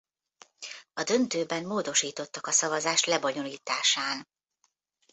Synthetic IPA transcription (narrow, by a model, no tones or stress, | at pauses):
ɒd̪ø̞nt̪øːbɛmːoːd̪o̞ʃiːt̪o̞t̪ːɒkɒsɒvɒzaːʃlɛboɲo̞liːt̪aːʃaːn